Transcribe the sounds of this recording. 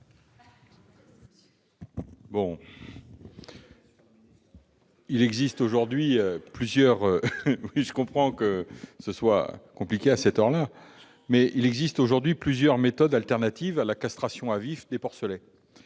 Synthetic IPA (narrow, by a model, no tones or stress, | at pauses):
bɔ̃ | ilɛɡzist̪oʒuʁd̪ɥiøplyzjœʁøwiʒəkɔ̃pχɑ̃kəsəswa̰kɔ̃plikʲeasɛt̪œʁla | mɛʔilɛɡzist̪oʒuʁd̪ɥiplyzjœʁmet̪ɔd̪alt̪ɛʁnat̪ivalakast̪χasjɔ̃avifd̪epɔʁsəlɛ